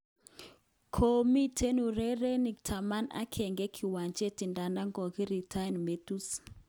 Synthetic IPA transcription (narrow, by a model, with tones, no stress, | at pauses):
kʰo˦mi˦tʰe˦nu˨ɾɛ˦ɾe˦ni˨ktʰa˨ma˦na̰˦kʰɛ˨ŋɡɛ˦kʰi˨wa˨ɲt͡ʃe˦ti˨nda˨nda˦ŋɡɔ˨ki˦ɾi˨tʰa˦jnme˦tu˦s